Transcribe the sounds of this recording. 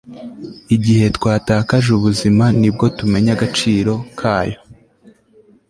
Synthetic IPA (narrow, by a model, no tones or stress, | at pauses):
iɟihe̞tkwaːtaːkaʒuβuzimanib̚ɡo̞tume̞ɲaɡat͡ʃiːɾo̞kʰaːjo̞̥